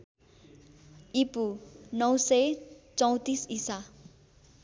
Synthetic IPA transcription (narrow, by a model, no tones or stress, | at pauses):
ipunʌw̃sʌjt͡sʌw̃t̪isisa